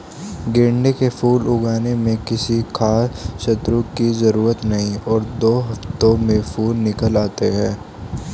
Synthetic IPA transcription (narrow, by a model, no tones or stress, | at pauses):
ɡẽːɳɖekefuːlʊɡaːnemẽkɪsikʰaːsʃɐt̪ɾũkizɐɾuːɾət̪nɐɦĩɔːɾd̪oːɦɐft̪õmẽfʰuːlnɪkəlaːt̪eɦɛ̃ː